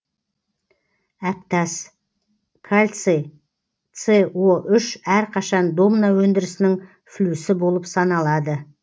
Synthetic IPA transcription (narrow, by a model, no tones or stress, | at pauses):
æp̚t̪ɑs | kʰalʲt̪se | t̪sewoʔʏʃæɾqʰɑʃɑnd̪o̞mnɑwɵnd̪ɪɾɪsɪnɪŋ | flusɪbo̞lˠəpsɑnɑlˠɑd̪ə